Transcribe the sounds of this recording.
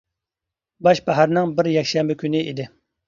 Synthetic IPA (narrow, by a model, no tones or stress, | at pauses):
bɑʃbæɦæɾnɨŋbɪɾjɛkʲʃɛmbɪkʲynɪḭd̪ɪ